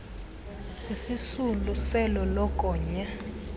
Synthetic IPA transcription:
sisisulusɛlɔlɔkʼɔːɲa

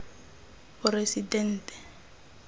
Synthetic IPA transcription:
ʊresidɛn̩ːtɛ̥

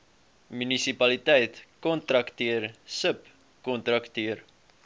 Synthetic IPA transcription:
mynisipɐlitɛjtkɔntɾɐktiərsəp | kɔnt̪rɐktiər

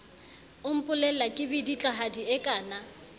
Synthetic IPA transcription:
ʊm̩pʼʊlɛlakʼɪbɪdit͡ɬʼaɦadiɛkʼaːna

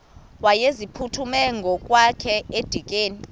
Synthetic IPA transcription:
wajezipʰutʰumɛŋɡʱɔkʼwakʰɛed̥ʱikʼeːni

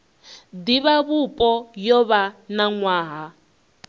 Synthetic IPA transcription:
d̪iβaβupʼɔjɔβanaŋwaːɦa

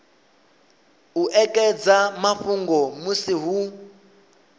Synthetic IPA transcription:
uʔɛkʼɛd͡zamaɸuŋɡɔmusiɦu

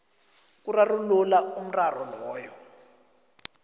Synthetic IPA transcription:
k̬urarululaum̩rarɔlɔːjɔ

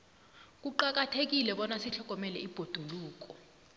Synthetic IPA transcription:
k̬ʼuǃak̬atʰek̬ilɛɓɔnasiɬɔk̬ʼɔmɛlɛ̰ib̥ʱod̥ʱuluːk̬ʼɔ

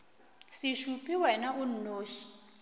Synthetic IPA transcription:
siʃupʰʼiwɛnaʔun̩noːʃi̥

